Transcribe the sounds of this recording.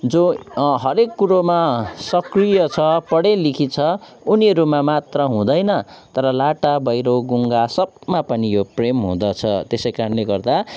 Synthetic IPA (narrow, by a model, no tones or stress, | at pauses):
d͡zoɦʌɾekːuɾomasʌkrijʌt͡sʰʌpʌɽelikʰit͡sʰʌ | uniɦʌɾumamat̪rʌɦũd̪ʌjnʌt̪ʌɾʌlaʈabʌjɾoɡuŋɡasʌbmapʌnijopremɦṵ̃d̪ʌt͡sʰʌt̪esʌjkaɾʌnleɡʌrd̪a